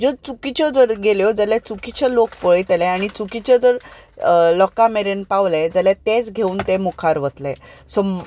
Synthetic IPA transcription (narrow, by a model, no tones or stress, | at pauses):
d͡ʑɔt͡sukit͡ɕɔd͡zəɾɡeljɔd͡zəljat͡sukit͡ɕəlokpəɭjt̪elɛaɽ̃it͡sukit͡ɕəd͡zəɾ | lɔkameɾenpaʋled͡zəlat̪et͡sɡʱeuːnt̪emokʰaɾʋət̪lesɔ